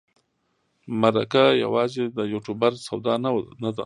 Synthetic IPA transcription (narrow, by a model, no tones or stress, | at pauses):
maɾa̰kaja̰wɑzed̪əjuʈubaɾsawd̪ɑnnad̪a̰